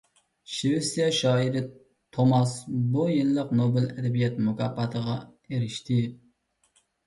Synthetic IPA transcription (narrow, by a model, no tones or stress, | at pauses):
ʃewɪsjɛʃɑːiɾɪ | t̪ʰomɑsbujɪlːəqnobɪlɛd̪ɛbijɛt̪mʊkʰɑpʰːɑt̪ʰəʁɑeɾɪʃt̪ʰɪ